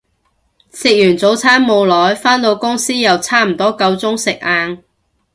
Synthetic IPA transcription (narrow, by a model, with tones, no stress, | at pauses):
sɪ˨k̚jyː˨˩nt͡so˨˥wt͡sʰaː˥nmo˨˧wlɔː˨˥jfaː˥nt̪o˧wkʊ˥ŋsiː˥jɐ˨wt͡sʰaː˥m̩˨˩t̪ɔː˥kɐ˧wt͡sʊ˥ŋsɪ˨k̚ʔaː˧n